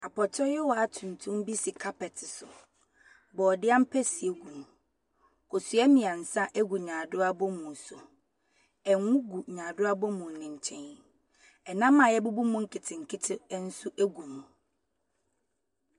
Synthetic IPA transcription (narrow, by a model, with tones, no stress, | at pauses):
a˨pʰɔ˨tʰɔ˦jɛ˦wɔ˨a˨tʰũ˨n̩˨tʰũ˦m˦bi˦sɪ˨kʰa˦pɛ˨tʰɪ˨sʊ˨ | bɔ˨dɪ˦a˦m̩˦pʰɛ˦si˨e˨ɡu˨nũ˨ | kʰo˨su˨˦ɛ˦mĩ˨ã˨n̩˨sã˦ʔe˦ɡu˨ɲãː˨dʊ˦a˦bʊ˦mũ˨n˨sʊ˨ | ɛ˨ŋ˦wũ˦ɡu˨ɲãː˨dʊ˦a˦bʊ˦mũ˨nɪ̃˨ɲ̩˨t͡ɕʰɛ̃˦n | ɛ˨nã˦mːã˨jɛ˦bu˦bu˦mũ˦ŋ̩˦kʰɪ˨tʰɪ̃˨ŋ̩˨kʰɪ˦tʰɪ˦n̩˦sʊ˦ʔe˦ɡu˨mũ˨